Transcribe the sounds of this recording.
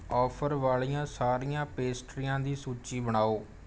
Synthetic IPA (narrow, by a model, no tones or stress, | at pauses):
ɔːpʰəɾʋaːɭijãːsaːɾijãːpeːsʈɾijãːd̪iːsuːt͡ʃiːbəɽ̃aːoː